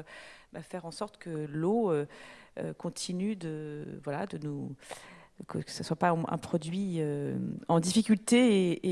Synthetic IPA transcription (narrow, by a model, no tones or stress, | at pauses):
bafɛʁɑ̃sɔʁt̪kəloøø̰kɔ̃t̪ʰinyd̪əvwalad̪ənu | kəkə̥səswapaɛ̰̃pχɔd̪ɥiøɑ̃d̪ifikʲylt̪eeː